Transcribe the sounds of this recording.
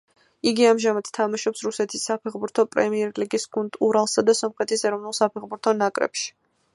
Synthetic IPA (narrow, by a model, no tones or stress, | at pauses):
iɡiamʒamad̪̥t̪ʰamaʃɔpsɾusɛt̪ʰisːapʰɛχbuɾt̪ʰɔpʼɾɛ̰miɛɾliɡisɡ̥unt̪ʼuɾalˠsad̪asɔmχɛt̪ʰisɛɾɔvnulˠsapʰɛχbuɾt̪ʰɔnakʼɾɛ̰pʃi̥